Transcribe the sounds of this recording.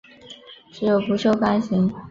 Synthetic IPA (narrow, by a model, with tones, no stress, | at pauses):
ʈ͡ʂɻ̩˧˥jo˨˩ʊpu˧˥ʂo˥ʊka˥nɕi˧˥ŋ